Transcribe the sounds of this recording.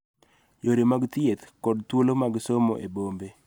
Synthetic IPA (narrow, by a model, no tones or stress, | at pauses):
joɾemaɡt̪ɪet̪kɔdt̪wolomaɡsomo̰ʔebombe